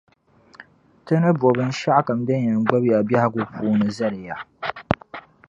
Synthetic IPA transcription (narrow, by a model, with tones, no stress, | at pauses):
tɨ˦nɨ˦bɔ˨bɨ˦n˦ʃa˦ʔka˨mdɨ˦n˦jɛ˨ŋ˨ɡ͡ba˦bja˨bja˦ha˦ɡu˦puː˦nɨ˨zɐ˦ɾɪ˨ja˨